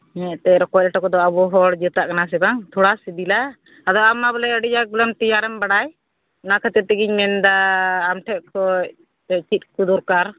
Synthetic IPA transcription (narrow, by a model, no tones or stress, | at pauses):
ɲɛʔt̪ɛɾɔkɔlɛʈakɔd̪ɔabɔɦɔɽd͡ʒət̪aʔkanas̬ɛbaŋt̪ʰuɽasid̪ila | ad̪ɔamːabɔlɛəɽijaɡulamt̪ijaɾɛmbaɽaj | nakʰət̪ɛt̪ɛɡiɲmɛnd̪aːmʈʰɛʔkʰɔc̚ | t̪ɛt͡ʃit̪̚kud̪uɾkaɾ